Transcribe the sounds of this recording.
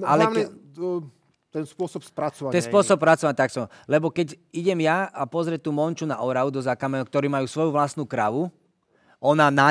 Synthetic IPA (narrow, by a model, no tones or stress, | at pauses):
alɛaɲɛ | t̪ɛnspʊɔsɔpspɾat͡sɔʋaɲɛnspʊɔsɔp̚pːɾat͡sɔʋaɲt̪aksɔmlɛbɔkɛɟ | iɟɛmjaapɔzɾɪɛt̪uːmɔnt͡ʃuna̰ʔɔɾaʋud̪ɔzakamɛnuk̚t̪ɔɾiːmajuːsʋɔjuʋlast̪nuːkɾaʋu | ɔnaːna